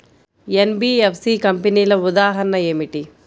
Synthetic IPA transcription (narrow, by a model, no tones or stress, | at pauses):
enbiːepʰsikɐmpeniːlɐud̪aːɦɐnɐeːmiʈi